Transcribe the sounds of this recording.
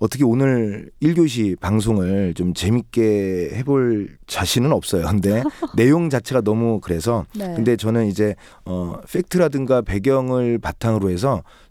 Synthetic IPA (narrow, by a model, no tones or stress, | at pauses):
ʌt͈ʰʌkʰeonɯɾiɭɡjoɕ̬ʰipaŋs̬ʰoŋɯɭt͡ɕomt͡ɕe̞mik͈e̞he̞boɭt͡ɕaɕʰinɯnʌp̚s͈ʌjokɯnde̞ne̞joŋd͡ʑat͡ɕʰe̞ɡanʌmukɯɾe̞sʰʌkɯnde̞t͡ɕʌnɯnid͡ʑe̞ | ʌfʰe̞k̚tʰɯɾadɯŋɡape̞ɡjʌŋɯɭpatʰaŋɯɾoɦe̞s̬ʰʌ